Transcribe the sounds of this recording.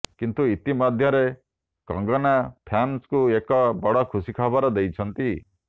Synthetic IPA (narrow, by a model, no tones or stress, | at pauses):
kint̪uit̪imɔd̪ʱjɔɾe | kɔ̰̃ŋɡɔnapʰanskuekɔbɔɽɔkʰusikʰɔbɔɾɔd̪ejt͡ʃʰɔnt̪i